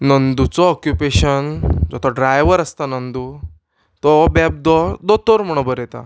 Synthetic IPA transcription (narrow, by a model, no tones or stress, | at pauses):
nənd̪ut͡sɔɔkjupeɕənd͡zɔt̪ʰɔɖɾajʋəɾəst̪anənd̪u | t̪ɔbɛb̚d̪ɔd̪ɔt̪ɔɾm̤əɽ̃õbəɾɛt̪a̰